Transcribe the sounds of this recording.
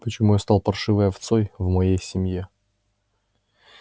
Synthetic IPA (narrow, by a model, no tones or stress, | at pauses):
pət͡ɕɪmujast̪ɑlˠpɐrʂɨvɨjɐft̪sojvmɐjejsʲɪmʲje